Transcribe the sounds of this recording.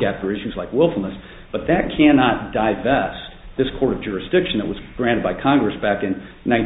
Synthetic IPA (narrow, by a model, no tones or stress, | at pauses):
æp̚θə˞ɪʃʉzlaɪkwɪlˠfl̩ˠnəs | b̥ʌt̪̚ðɨt̚kʰænɑt̚d̥aɪvɛst̚ | ðɪskʰɔɹɾʌvd͡ʒʊɹɨsd̥ɪkʃn̩ðəʔ̚wʌzɡ̥ɹæ̃ɾ̃ɨd̚baɪkʰɑ̃ŋɡɹɨsb̥ækɨ̃n | nãɪ̃n